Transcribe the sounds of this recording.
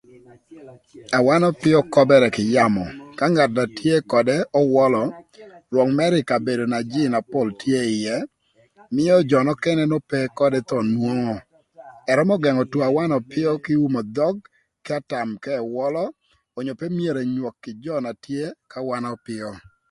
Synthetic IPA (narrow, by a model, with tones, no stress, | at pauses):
a˨wa˦nɔ˦pɪ˦ɔ˦kɔ˦bɛ˦ɾɛ˨kɪ˨ja˦mɔ˨ka˦ŋa˨tna˨tʰje˦kɔ˨dɛ˦ɔ˦wɔ˦lɔ˨lwɔ˨ŋmɛ˦ɾɪ˨ka˨be˨do˨na˨d͡ʒɪ˦na˨po˦˨ltje˦ɪ˨jɛ˦ | mɪ˦ɔ˦d͡ʒɔ˨nɔ˦kɛ˦nɛ˦nɔ˦pɛ˦kɔ˦dɛ˦t̪ɔ˦˨nwo˦ŋɔ˨ | ɛ˨ɾɔ˦mɔ˦ɡɛ˨ŋɔ˨two˨a˨wa˦nɔ˨pɪ˦ɔ˦kɪ˦u˦mɔ˨d̪ɔ˦ɡ̚ | kɪ˦a˦ta˨mkɛ˦˨wɔ˦lɔː˦˨ | ɲo˨pe˦mje˨ɾe˨ɲwo˨kːɪ˨d͡ʒɔ˦na˨tje˦ka˦wa˦nɔ˦pɪ˦ɔ˦